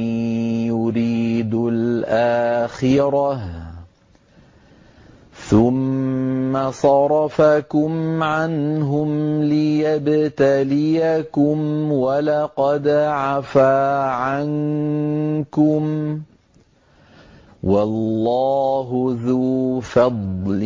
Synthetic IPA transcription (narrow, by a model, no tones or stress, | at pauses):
jʊɾiːd̪ʊlʔaːxɪɾˤɑh | θʊmː | asˤɑɾˤɑfakʊmʕanɦʊmlɪjabt̪alɪjakʊmwalaqɑd̪ʕafaːʕan | kʊm | wɑlːɑːɦʊðuːfɑd̪ˤl